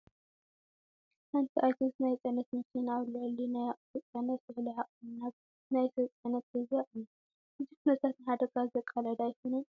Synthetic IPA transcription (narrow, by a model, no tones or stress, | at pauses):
ħant̪ʰiʔajt̪ʰosnajt͡sʼɐnɐt̪mɐkʰinawlːʕɐlːinajaʔʼfot͡sʼjanɐt̪ːɨħliħaʔʼnnab | najsɐt͡sʼanɐt̪̚ɐzaʔʼɨni | ʔɨzikʰunɐt̪ʰat̪nɨħad̪ɐɡazɐkʼːalɐd̪ajkʰonɐ